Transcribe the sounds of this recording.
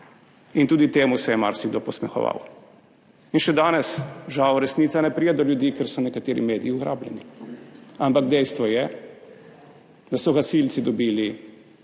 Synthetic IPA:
int̪uːd̪it̪eːmusɛjɛma̰ɾsiɡd̪opɔsmɛxɔ̰ʋa̰w | inʃɛd̪aːnɛsʒawɾɛsniːt̪sanɛpɾijɛd̪ɔljud̪iːkɛɾsɔnɛkat̪eːɾḭmeːd̪ijiuɣɾa̰ːblʲɛ̰ni | ampaɡd̪ɛjst̪ʋɔjɛ | d̪asɔɣasilt̪sid̪ɔbiːli

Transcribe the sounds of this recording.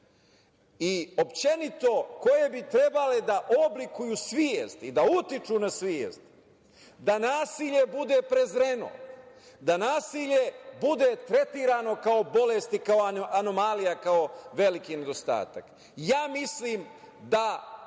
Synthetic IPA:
io̞pt͡ʃenit̪o̞ko̞je̞bit̪ɾe̞baled̪aʔoblikujuːsʋijest̪id̪aut̪it͡ʃunasʋiḛst̪ | d̪anaːsiːʎe̞bud̪e̞pɾe̞zɾeno̰ | d̪anaːsiʎe̞bud̪e̞t̪ɾe̞t̪iːɾaːno̞kaobo̞lest̪ikaoano̞malijakao̞ʋe̞likine̞d̪o̞st̪a̰ːt̪ak | jaːmisliːm | d̪a

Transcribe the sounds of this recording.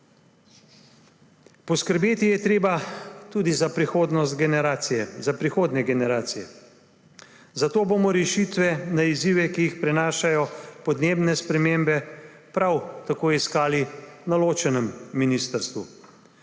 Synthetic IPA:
pɔskəɾbeːt̪ijɛt̪ɾeːbat̪uːd̪izapɾixoːd̪nɔst̪ɡnɛɾaːsijɛzapɾixoːd̪nɛɡɛnɛɾaːt̪sijɛ | zat̪oːbomɔɾɛʃiːt̪ʋɛnaiziʋɛkijixpɾɛnaːʃajɔpɔd̪neːbnɛspɾɛmeːmbɛpɾawt̪akoːjiskaːlinaloːt͡ʃɛnɛmːiniːst̪əɾst̪ʋu

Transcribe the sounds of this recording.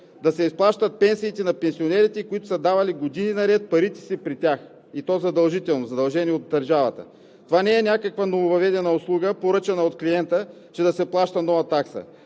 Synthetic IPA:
d̪ɐsɛisplˠaʃt̪ət̪̚pɛnsiːt̪ɛnɐpɛnsionɛɾit̪ɛkoit̪ʊ̥səd̪avɐliɡod̪ininɐɾɛt̪̚pɐɾit̪ɛ̥sipɾit̪ʲax | it̪ɔzɐd̪ɐlˠʒit̪ɛlˠnozɐd̪ɐlˠʒɛniɛod̪̚ːɐɾʒavɐ̰t̪ə̰ | t̪ovanɛɛnʲakəkvɐnovovɐvɛd̪ɛnɐoslˠuɡəpoɾɤt͡ʃɐnəot̪kliɛnt̪ə | t͡ʃɛd̪ɐsɛplˠaʃt̪ɐnɔvɐt̪aksə̰

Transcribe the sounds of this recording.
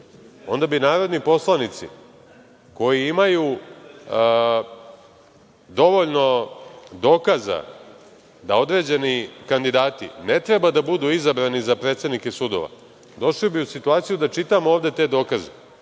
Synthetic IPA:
o̞nd̪abinaːɾo̞d̪nipo̞slˠanit̪sḭ | ko̞jiimaju | d̪o̞ʋo̞ʎno̞d̪o̞ːkaza̰ | d̪ao̞d̪ɾe̞ːd͡ʑe̞nikand̪id̪aːt̪ḭnet̪ɾebad̪abud̪uizabɾanizapɾe̞t̪se̞d̪nike̞sud̪o̞̰ʋa̰ | d̪o̞ʃlibiusit̪uaːt̪sijud̪at͡ʃit̪amoovd̪e̞t̪e̞d̪o̞ːkaze

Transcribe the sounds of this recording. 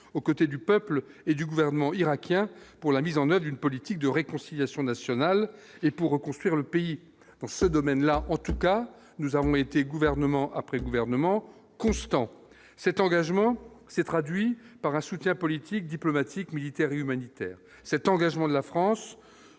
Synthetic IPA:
okot̪ed̪ypœpled̪yɡuvɛʁnəmɑ̃iʁakʲjɛ̃puʁlamizɑ̃nœvʁd̪ynpɔlit̪ik̚d̪əʁekɔ̃siljasjɔ̃nasjɔnal | epuʁːəkɔ̃st̪χwiʁləpei | d̪ɑ̃səd̪ɔmɛnlaʔɑ̃t̪uka | nuzavɔ̃et̪eɡuvɛʁnəmɑ̃ʔapχɛɡuvɛʁnəmɑ̃ | kɔ̃st̪ɑ̃ | sɛt̪ɑ̃ɡaʒmɑ̃sɛt̪χad̪ɥipaʁɛ̃sut̪jɛ̃pɔlit̪ʰik̚d̪iplɔmat̪ʰikmilit̪ɛʁeymanit̪ɛ̰ːʁ | sɛt̪ɑ̃ɡaʒmɑ̃d̪əlafχɑ̃s

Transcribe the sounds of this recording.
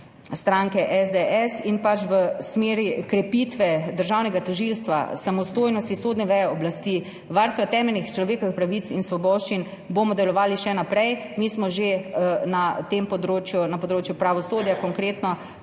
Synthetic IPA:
st̪ɾaŋkɛʔɛzd̪ɛʔɛsinpat͡ʃʋəsmeːɾikɾɛpit̪ʋɛd̪əɾʒawnɛɡat̪ɔʒilst̪ʋa̰samɔst̪oːjnɔst̪isoːd̪nɛʋɛjɛɔblast̪iː | ʋaɾst̪ʋat̪ɛmɛlnixt͡ʃlɔʋeːkɔʋixpɾaʋit̪sinsʋɔbɔːʃt͡ʃin | boːmɔd̪ɛlɔʋaːliʃɛnapɾɛjmiːsmɔʒenat̪empɔd̪ɾoːt͡ʃjunapɔd̪ɾoːt͡ʃjupɾaʋɔsoːd̪jakɔŋkɾeːt̪nɔ

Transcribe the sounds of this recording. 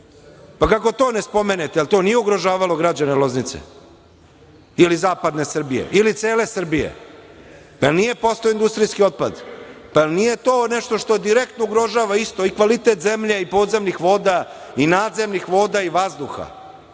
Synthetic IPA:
pakako̞t̪o̞ːnespo̞menet̪ealt̪o̞nijeuɡɾo̞ʒaːʋalˠo̞ɡɾad͡ʑanelo̞znit̪sḛ | ilizaːpad̪ne̞sr̩bijḛʔilit̪se̞ːle̞sr̩bijḛ | paelnije̞po̞st̪ojind̪ust̪ɾiskio̞t̪̚pa̰d̪paelnije̞t̪o̞ːneʃt̪o̞ʂt̪od̪iɾekt̪nouɡɾo̞ʒaːʋaist̪o̞ikʋalit̪e̞t̪zemʎeipo̞ːd̪ze̞mnixʋo̞ːd̪a | inaːd̪ze̞mnixʋo̞ːd̪aiʋazd̪uxa̰

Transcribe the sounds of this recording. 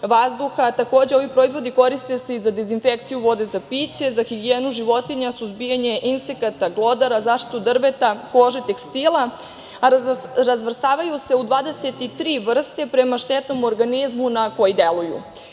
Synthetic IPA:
ʋazd̪uxat̪ako̞ːd͡ʑe̞o̞ʋipɾoizʋo̞d̪iko̞ɾist̪e̞seizad̪ezinfekt̪sijuʋo̞d̪e̞zapit͡ɕe̞zaxiɡieːnuʒiʋo̞t̪iɲasuzbijaɲe̞ʔinsekat̪aɡlˠo̞d̪aɾazaːʃt̪i̥t̪ud̪r̩ʋe̞t̪ako̞ʒet̪e̞kst̪ilˠa | ɾazʋr̩st̪aːʋajuse̞ud̪ʋaːd̪e̞set̪it̪ɾiːʋr̩st̪e̞pɾe̞maʃt̪et̪no̞mo̞ɾɡanizmunako̞jid̪e̞lˠujṵ

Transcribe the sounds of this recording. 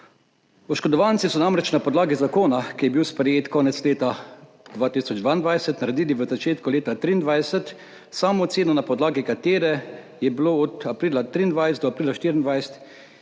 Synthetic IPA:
ɔʃkɔd̪ɔʋant̪sisɔnamɾɛt͡ʃnapɔd̪laːɡizakoːnakijɛbiwspɾɛjeːt̪kɔːnɛt̪sleːt̪a | d̪ʋaːt̪isɔd͡ʒd̪ʋaind̪ʋajsət̪naɾɛd̪iːliʋəzat͡ʃeːt̪kuleːt̪at̪ɾiːnd̪ʋajɛsət̪ | saːmot̪seːnɔnapɔd̪laːɡikat̪eːɾɛ | jɛbloːɔt̪apɾiːlat̪ɾiːnd̪ʋajsɛɔapɾiːlaʃt̪iɾind̪ʋajsɛ̥t̪

